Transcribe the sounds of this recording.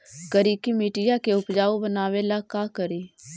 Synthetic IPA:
ɡəɾiːkimiːʈɪjakeʊpd͡ʒaːobənaːwelakaːkəɾiː

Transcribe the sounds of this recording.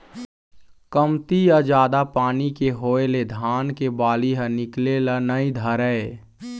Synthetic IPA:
kəmt̪ijad͡ʒaːd̪apaːnikeɦoːeled̪ʱaːnkebaːliɦənɪklelənəĩd̪ʱəɾəe

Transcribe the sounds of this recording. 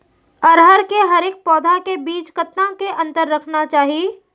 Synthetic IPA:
ɔɾɦɐɾkeɦɐɾeːk̚pɔːd̪ʱakebiːt͡ʃkɐt̪nãkeʔɐ̃nt̪əɾːɐkʰnat͡ʃaːɦie

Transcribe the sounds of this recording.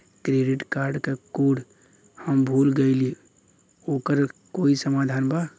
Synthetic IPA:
kɾeɖiʈkaɾɖkekuɽ | həmbʱuːlɡəli | oːkəɾkoːisəmaːd̪ʱaːnba

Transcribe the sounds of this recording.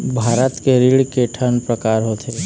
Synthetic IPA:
bʱaːɾət̪keɾiɽkeʈʰənpɾəkaːɾɦoːt̪e

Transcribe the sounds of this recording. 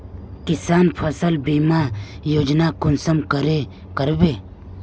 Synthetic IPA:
kɪsaːnpʰəsəlbiːmajoːd͡ʒnakʊnsəmkəɾe | kəɾbeː

